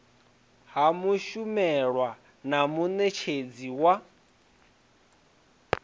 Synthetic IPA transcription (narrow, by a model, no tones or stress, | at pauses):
ɦamuʃumɛɺwa | namunet͡ʃʰed͡ziwa